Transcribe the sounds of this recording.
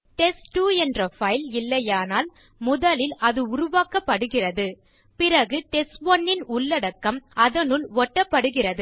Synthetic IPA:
ʈɛsʈuːɛndrɐfɐɪlɪlːɐjaːnaːl | mʊðɐlɪlʔɐðɯʊɾʊʋaːkɐpːɐɽɯɣɪrɐðɯ | pɪrɐɣɯʈɛsʋɔnːɪnʊɭːɐɽɐkːɐmɐðɐnɯɭʋɔʈːɐpːɐɽɯɣɪrɐðɯ

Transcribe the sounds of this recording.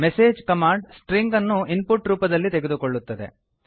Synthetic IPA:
meseːd͡ʒkɐmaːɳɖsʈɾiŋɡɐnːuinpuʈɾuːpɐd̪ɐlːit̪eɡed̪ukoɭːut̪ːɐd̪e̞̰

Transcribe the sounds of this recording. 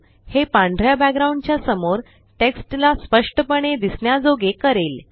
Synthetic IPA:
hepãɳɖʱɾjabækɡɾaũɳɖt͡ɕjasəmoɾ | ʈeksʈlaspəʂʈəpəɳ̃ed̪isɳjad͡zoɡekəɾel

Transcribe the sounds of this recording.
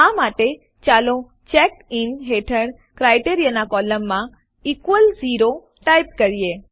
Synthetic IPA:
amaʈe | t͡ʃalõ | t͡ʃɛkinɦeʈʰəɽ | kɾajʈeɾijanakɔləmːã | ikʋəld͡ʒiɾo | ʈajp̚kəɾije

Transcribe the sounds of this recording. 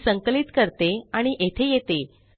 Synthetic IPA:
səŋkəlit̪kəɾt̪eaɽ̃iʔet̪ʰejet̪e

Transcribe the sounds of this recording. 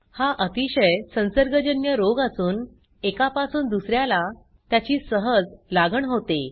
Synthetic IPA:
haʔət̪iɕəjsə̃nsəɾɡəd͡ʑənjəɾoɡasuːn | ekapasuːnd̪usɾjala | t̪jat͡ɕiːsəɦəd͡zlaɡəɳɦot̪e

